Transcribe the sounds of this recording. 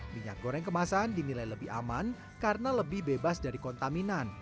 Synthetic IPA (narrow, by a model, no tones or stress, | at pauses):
miɲa̰k̚ɡ̥oɾɛŋkəmasandinilajləbɪha̰man | karənaləbɪhbebasdaɾikɔnt̪aminan